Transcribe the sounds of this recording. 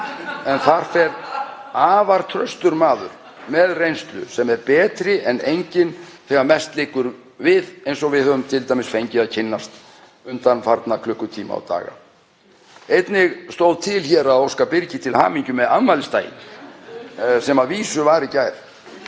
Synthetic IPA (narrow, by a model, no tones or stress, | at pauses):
ɛnθaɾ̥fɛɾ | aːvaɾ̥t̪ʰɾœ̰st̪ʏɾmaːðʏ̰ɾ̥ | mɛðrejnst̪lʏ̰sɛmɛɾpɛːt̪ɾɪʔɛnejɲcɪnθɛɣaɾmɛst̪lɪːkʏɾ | vɪðejnsɔɣvɪðœðʏmt̪ʰɪlt̪ajmɪsfejɲcɪaðcʰɪnːast̪ | ʏnt̪anfaɾt̪nakʰlʏhkːʏt̪ʰiːma̰a̰t̪a̰ːɣa̰ | ejt̪nɪɣst̪owðt̪ʰɪlçɛɾaðowskapɪɾcɪt̪ʰɪlha̰ːmiɲcʏmɛðanmaːlɪst̪a̰ːjɪ̰n | sɛmaðviːsʏvaːɾɪcaːjɾ̥